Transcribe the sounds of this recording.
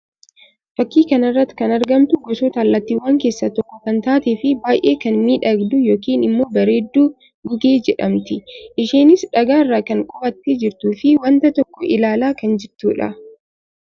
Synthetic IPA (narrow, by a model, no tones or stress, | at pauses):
fɐkːiːkɐnɐrːɐt̪ːɪ̥kɐnɐɾɡɐmt̪ʊɡɔsoːt̪aːlːɐt̪ːiːwaːŋke̞ːsːɐt̪ɔkːɔkɐnt̪aːt̪efɪbaːjʔeːkɐnmiːᶑɐɡd̪ʊjo̞ːkiːnɪmːo̞ːbɐɾe̞ːd̪ːuː | ɡʊɡe̞ːd͡ʒɛᶑɐmt̪ɪʔɪʃeːnɪsᶑɐɡaːɪrːaːkɐŋkʼɔbɐt̪ːɪd͡ʒɪɾt̪uːfɪwɐnt̪ɐt̪ɔkːɔʔɪlaːlaːkɐnd͡ʒɪɾt̪ṵːᶑɐ̰